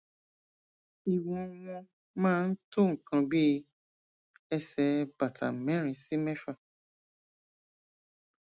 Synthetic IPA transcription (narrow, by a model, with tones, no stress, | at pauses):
i˨wɔ̃˨w̃ɔ̃˧ | mãː˦˧n̩˦to˦˨ŋ̩˨kã˧bi˦ | ɛ˧sɛ˨˦ba˨tʰa˨mɛ̃˨˦ɾ̃ĩ˧si˦mɛ̃˦fa˦˨